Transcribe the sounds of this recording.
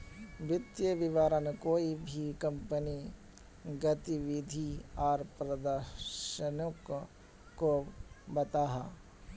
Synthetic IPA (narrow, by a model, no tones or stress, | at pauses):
ʋɪt̪jəʋɪʋaːɾənkoːibʱikɐ̃mpəni | ɡət̪iʋɪd̪ʱiɔːɾpɾəd̪əɾʃənõk | kːobɐt̪aːɦa̰ː